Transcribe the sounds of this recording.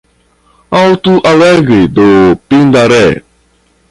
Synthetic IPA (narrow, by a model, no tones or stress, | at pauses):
autuʔalɛɡidopindaɾɛ